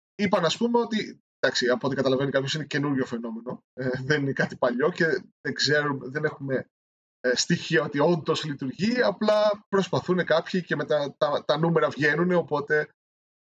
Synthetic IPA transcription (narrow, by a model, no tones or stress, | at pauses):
ipɐnɐspumeo̞t̪i | d̪̥ɐksiɐpot̪ekɐt̪ɐlɐve̞nikɐpçosinece̞nuɾʝo̞fe̞no̞me̞no̞ | eðeninekɐt̪i̥pɐʎo̞ce̞ðeɡze̞ɾumðe̞ne̞xume̞ | st̪içiɐo̞t̪io̞nd̪o̞slit̪uɾʝiɐplɐpɾo̞spɐθune̞kɐpçice̞me̞t̪ɐt̪ɐt̪ɐnume̞ɾɐvʝe̞nune̞o̞po̞t̪e̞